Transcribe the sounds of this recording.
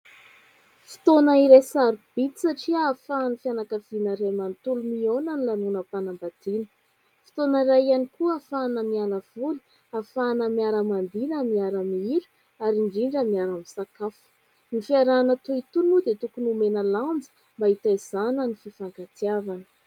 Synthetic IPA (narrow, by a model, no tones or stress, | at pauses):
fi̥t̪onaiɾesaɾub̥it̪i̥saʈ͡ʂiaːfanifianakəv̥inaɾemant̪ulumionanilanunəpanambad̪̥inə̥ | fi̥t̪onaɾaanikuafanəmialav̥ulu̥ | afanəmiaɾəmand̪inamiaɾamiiɾu̥ | aɾiɳɖ͡ʐiɳɖ͡ʐəmiaɾamisakafu̥ | nifiaɾanat̪uit̪unud̪et̪ukunumenəlamd͡zə̥ | mbait̪ajz̥anənififaŋkat̪iavanə̥